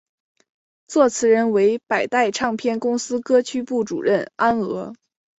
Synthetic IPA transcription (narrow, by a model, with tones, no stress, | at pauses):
t͡swɔ˥˩t͡sʰɹ̩˧˥ɻə˧˥nwe˧˥ɪpa˨˩ɪt̪a˥˧ɪʈ͡ʂʰɑ˥˧ŋpʰjɛ˥˩nkʊ˥ŋsɹ̩˥kɤ˥t͡ɕʰy˥pu˥˩ʈ͡ʂṵ˨˩ɻə˥˩na˥nɤ˧˥